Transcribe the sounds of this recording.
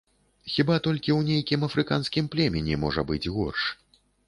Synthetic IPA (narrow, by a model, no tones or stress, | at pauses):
xʲibat̪ɔlʲkʲiwnʲejkʲimɐfɾɨka̰nskʲimplʲɛmʲɛnʲɛmɔʐɐbɨd͡zʲɣɔrʂ